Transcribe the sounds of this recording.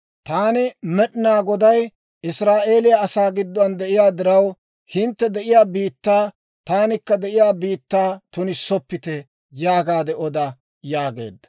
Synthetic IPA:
t̪aːnɪmɛɗɪnaːɡɔd̪ɐj | ɪsɾaːʔe̞ːlɪjɐːsaːɡɪd̪ːʊɐnd̪ɛʔɪjaːd̪ɪɾɐw | hɪnt̪ːɛd̪ɛʔɪjaːbiːt̪ːaː | t̪aːnɪkːɐd̪ɛʔɪjaːbiːt̪ːaːt̪ʊnɪsɔpːɪt̪ɛ | jaːɡaːd̪ɛʔɔd̪ɐ | jaːɡḛːd̪ːɐ̥

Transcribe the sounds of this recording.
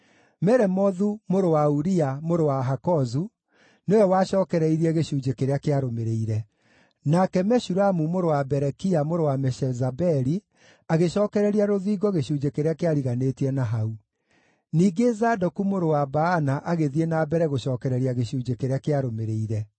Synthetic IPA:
mɛɾɛmɔðumoɾowauɾiamoɾowaɦakɔzu | neɛwaɕɔːkɛɾɛiɾiɛɣeɕuːd͡ʒekeɾeakeaɾomeɾeiɾɛ | nakɛmɛʃuɾamumoɾowabɛɾɛkiamoɾowamɛʃɛzabɛɾi | aɣeɕɔːkɛɾɛɾiaɾoðiːɡɔɣeɕuːd͡ʒekeɾeakeaɾiɣanetiɛnaɦau | niːɡezaːdɔkumoɾowabaanaʔaɣeðienaːbɛɾɛɣoɕɔːkɛɾɛɾiaɣeɕuːd͡ʒekeɾeakeaɾomeɾeiɾɛ

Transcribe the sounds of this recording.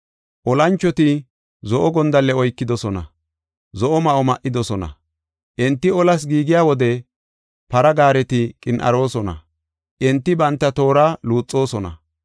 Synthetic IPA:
ʔɔlɐnt͡ʃːɔt̪ɪ | zɔʔɔɡɔnd̪ɐlːɛɔjkːɪd̪ɔsɔnɐ̰ | zɔʔɔmɐʔɔmɐʔɪd̪ɔsɔnɐ̰ | ʔɛnt̪ːɪɔlɐs̬ɡiːɡɪjaːwɔd̪ɛ | pɐɾɐɡaːɾɛt̪ɪkʼɪnʔɐ̰ɾo̞ːsɔnɐ̰ | ʔɛnt̪ːɪbɐnt̪ːɐt̪o̞ːɾaːluːt͡sʼːo̞ːsɔnɐ̰

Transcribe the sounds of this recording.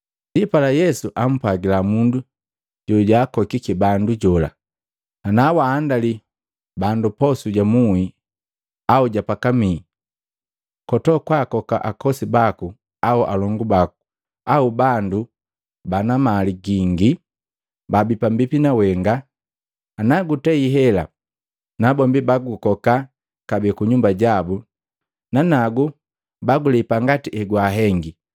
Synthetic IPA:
dipalajɛsuʔam̩pwaɡilamundu | ɟɔɟaːkɔkikibanduɟɔla̰ | anawaːndali | bandupɔsuɟamui | auɟapakamiː | kɔtɔkwakɔkaʔakɔsibaku | auʔa̰lɔŋɡubaku̥ | aubandu | banamaliɡiŋɡi | babipambipinawɛŋɡa | naɡutɛiɦɛla̰ | nabɔmbibaɡukɔka | kabɛkuɲumbaɟabu | nanaɡu | baɡulɛpaŋɡatiʔɛɡwaɦɛŋɡi

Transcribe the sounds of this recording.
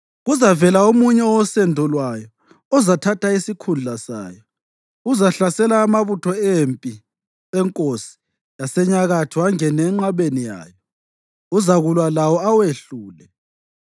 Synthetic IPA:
ɣuzavɛlaomuɲɛwɔsɛndʱɔlwajɔ | ɔzatʰatʰaisikʰund͡ɮʱasa̰ːjɔ | uzaɬasɛlaːmaβutʰɔempʼi | ɛŋkʼosi̥ | jasɛɲaɣatʰiwaŋɛnɛŋ͡ǁaβenija̰ːjɔ | uzaɣulwalawɔaweɬuːlɛ

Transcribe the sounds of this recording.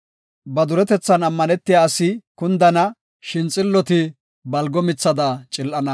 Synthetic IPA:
bɐd̪ʊɾɛt̪ɛt͡sːɐnɐmːɐnɛt̪ːɪjaːsɪkʊnd̪ɐnɐ | ʃɪnt͡sʼɪlːɔt̪ɪ | bɐlɡɔmɪt͡sːɐd̪ɐt͡ʃʼɪlʔɐnɐ

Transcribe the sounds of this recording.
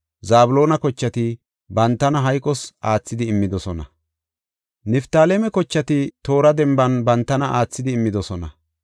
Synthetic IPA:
zaːbʊlo̞ːnɐkɔt͡ʃːɐt̪ɪ | bɐnt̪ːɐnɐɦɐjkʼːɔsaːt͡sːɪd̪ɪːmːɪd̪ɔsɔnɐ̰ | nɛft̪aːlemɛkɔt͡ʃːɐt̪ɪt̪o̞ːɾɐd̪ɛmbɐnbɐnt̪ːɐnɐʔaːt͡sːɪd̪ɪːmːɪd̪ɔsɔnɐ

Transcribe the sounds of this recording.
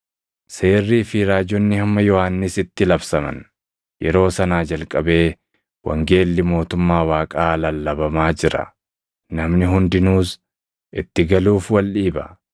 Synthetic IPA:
se̞ːrːiːfɪɾaːd͡ʒɔnːɪhɐmːɐjɔhanːɪsɪt̪ːɪlɐbsɐmɐ̰n | jɛɾo̞ːsɐnaːd͡ʒɐlkʼɐbe̞ː | wɐ̰ŋɡe̞ːlːɪmo̞ːt̪ʊmːaːwaːkʼaːlɐlːɐbɐmaːd͡ʒɪɾɐ̰ | nɐmnɪɦʊnd̪ɪnuːs | ʔɪt̪ːɪɡɐluːfwɐlᶑiːbɐ

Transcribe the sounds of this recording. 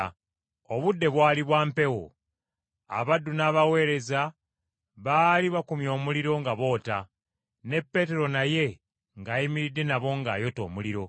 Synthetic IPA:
oβudːe̞βwaːliβwaːmpe̞wo̰ | a̰βadːunaːβawe̞ːɾe̞za | βaːliβakumjo̞ːmuliɾo̞ŋɡaβo̞ːta̰ | ne̞pːe̞te̞ɾo̞naje̞ | ŋɡaːjimiɾidːe̞naβo̞ŋɡa̰ːjo̞to̞̰ːmuliɾo̞

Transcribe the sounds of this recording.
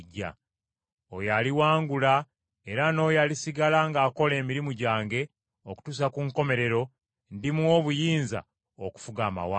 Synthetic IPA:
ɟːa̰ | ojaliwaːŋɡula | e̞ɾano̞ːjalisiɡalaŋɡaːko̞le̞ːmiɾimuɟaːŋɡe̞ | oku̥tus̬akuŋko̞me̞ɾe̞ɾo̞ | ndimwo̞βujiːnza̰ | oku̥fuɡaːma̰wa

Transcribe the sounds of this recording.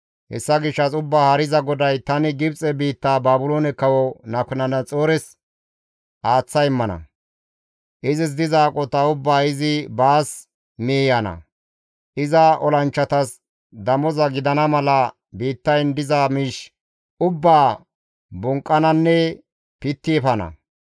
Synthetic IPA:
hɛ̰sːɐɡɪʃːɐsʊbːaːhɐɾɪzɐɡɔd̪ɐjt̪ɐnɪɡɪbt͡sʼɛbiːt̪ːaːbaːbʊloːnɛkɐwɔnɐkʊnɐnɐt͡sʼoːɾɛs | ʔaːt͡sːɐjɪmːɐnɐ̰ | ʔɪzɪs̬d̪ɪzaːkʼɔt̪ɐʊbːaːɪzɪbaːs | meːjɐnɐ̰ | ʔɪzɐʔɔlɐnt͡ʃːɐt̪ɐs | d̪ɐmɔzɐɡɪd̪ɐnɐmɐlɐ | biːt̪ːɐjnd̪ɪzaːmɪʃ | ʊbːaː | bʊŋkʼːɐnɐnːɛ | pɪt̪ːɪɛfɐnɐ̰

